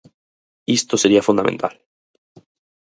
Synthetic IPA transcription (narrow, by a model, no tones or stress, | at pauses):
ist̪o̞se̞ɾiafund̪amẽnt̪al